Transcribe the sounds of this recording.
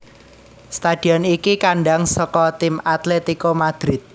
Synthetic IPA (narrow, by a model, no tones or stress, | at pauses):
st̪ad̪̥i̤ɔnikikaɳɖaŋsɔkɔt̪ɪmat̪let̪ikomad̪̥ɾɪt̪̚